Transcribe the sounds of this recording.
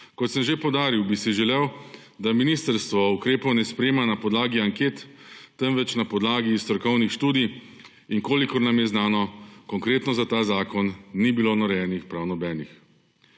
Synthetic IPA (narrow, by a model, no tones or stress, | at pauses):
kɔt̪səmʒepɔwd̪aːɾiwbisiʒɛlew | d̪aminiːst̪əɾst̪ʋɔukɾeːpɔwnɛspɾeːmanapɔd̪laːɡiaŋkeːt̪ːɛnʋɛt͡ʃnapɔd̪laːɡist̪ɾɔɾkɔwnixʃt̪uːd̪i | iŋkoːlikɔɾnamjɛznaːnɔkɔŋkɾeːt̪nɔzat̪aːzaːkɔnːibiloːnɔɾɛjɛnixpɾawnɔbɛːnix